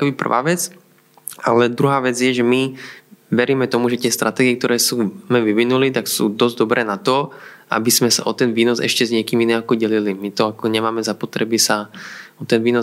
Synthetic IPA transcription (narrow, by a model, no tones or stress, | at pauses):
kɛbipr̩ʋa̰ːʋɛt͡s | alɛd̪ɾuɦaːʋɛd͡zjɛʒɛmi | ʋɛɾiːmɛt̪ɔmuʒɛt̪ɪɛst̪ɾʔat̪ɛːɡiɛk̚t̪ɔɾɛːsuːmɛʋiʋinulit̪aksṵːd̪ɔzd̪ɔbɾʔɛːnat̪ɔ | ʔa̰biz̥mɛsa̰ʔɔt̪ɛnʋiːnɔzɛ̰ʃcɛzɲɪɛkiːminɛakɔɟɛlilimit̪ɔakɔɲɛmaːmɛzapɔt̪ɾɛbisaɔt̪ɛnʋiːnɔ